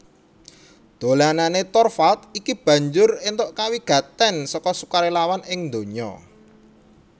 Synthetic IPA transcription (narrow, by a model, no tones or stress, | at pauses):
d̪̥o̤lananet̪ɔrfat̪̚ikib̥ä̤ɲd͡ʒʊrɪnt̪oʔkawiɡ̥a̤t̪ɛnsɔkɔsu̥kaɾelawanɪŋnd̪o̤ɲɔ̰